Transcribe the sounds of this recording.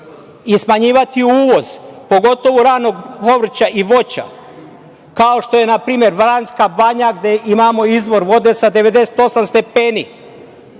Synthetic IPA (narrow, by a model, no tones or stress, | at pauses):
ismaɲiːʋat̪iuːʋo̞z̥po̞ɡo̞t̪o̞ʋuɾaːno̞ɡpo̞ʋr̩t͡ɕaʔiʋo̞t͡ɕa̰ | kaoʃt̪o̞je̞napɾiːmjeɾʋɾanskabaɲaɡd̪e̞ʔimaːmo̞izʋo̞ɾʋo̞d̪e̞sad̪e̞ʋe̞d̪e̞se̥t̪o̞samst̪e̞peːni